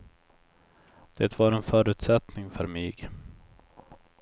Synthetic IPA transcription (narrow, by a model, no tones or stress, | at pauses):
d̪̥eːt̪vaɾɛnfœːɾʉ̟ːt̪sɛt̪nɪŋfœɾmyːɡ